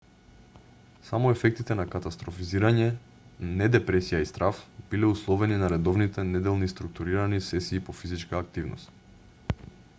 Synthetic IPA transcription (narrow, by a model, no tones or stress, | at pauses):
samɔɛfɛk̚t̪it̪ɛnakat̪ast̪ɾɔfiziɾaɲɛ | nɛd̪ɛpɾɛsijaist̪ɾafb̥ilɛuslˠɔvɛninaɾɛd̪ɔvnit̪ɛnɛd̪ɛlˠnist̪ɾuk̚t̪uɾiɾanisɛsiːpofizit͡ʃkaːk̚t̪ivnɔ̰st̪